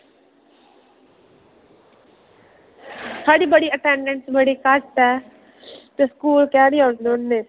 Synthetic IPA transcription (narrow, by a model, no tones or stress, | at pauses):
sʰaːɽiːbəɽiːəʈɛ̃ɳɖə̃ɳʈsbəɽikaʈtɛː | t̪eskuːlkɛːnioːd̪onnːeː